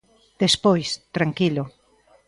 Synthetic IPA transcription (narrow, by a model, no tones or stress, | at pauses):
d̪̥espojst̪ɾaŋkilo